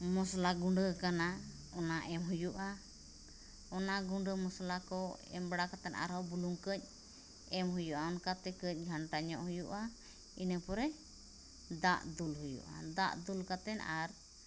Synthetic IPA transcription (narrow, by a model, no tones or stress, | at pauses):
mɔslaɡuɳɖəkana | ɔnaʔɛmɦujuʔa | ɔnaɡuɳɖəmɔslakɔɛ̰mbɽakat̪ɛnʔa̰ɾɔwbuluŋkəc̚ˀ | ɛmɦujuʔaɔnkat̪ɛkəc̚ˀɡʱaɳʈaɲɔʔhujuʔa | inəpɔɾɛ | d̪aʔd̪ulɦujṵʔa̰d̪aʔd̪ulkat̪ɛnaɾ